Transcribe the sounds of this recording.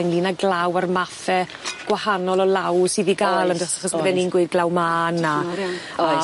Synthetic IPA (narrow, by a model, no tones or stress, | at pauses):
ɪnliːnaɡlˠawarmafɛ | ɡ̥wahanɔlˠɔlˠawsiðiɡaːlˠəndɔχaχɔsbɛninɡwɪːd̚ɡlˠawmaːna